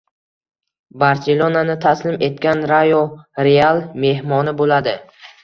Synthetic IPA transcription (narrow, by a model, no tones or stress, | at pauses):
baɾse̞lˠonanɪt̪ʰaslɪme̞t̪̚kʲanɾajoɾealˠme̞ɦmɒnɪbolad̪ɪ